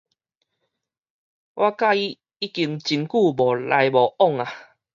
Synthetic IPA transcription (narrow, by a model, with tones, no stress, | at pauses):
wʔa˦ka˦˧i˦ | i˦˥ki˧ŋt͡ɕi˧nku˥˧bɔ˨˩lʔa̰˧jbɔ˨˩ʔɔ˥˨ŋa˨